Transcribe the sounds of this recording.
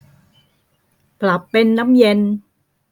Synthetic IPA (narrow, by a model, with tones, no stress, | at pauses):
pla˨˩pːe˧nːa˦˥mje˧n